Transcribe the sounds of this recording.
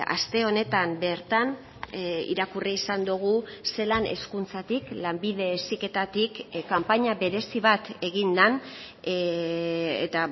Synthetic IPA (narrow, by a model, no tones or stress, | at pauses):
a̰st̪e̞o̞ne̞t̪ambe̞ɾt̪an | ḭɾakuriisand̪uɣ̞use̞lane̞̰skunt͡sat̪iklambið̞e̞ːsike̞t̪at̪ikkːampaɲaβe̞ɾe̞siβat̪e̞ɣind̪an | ḛt̪a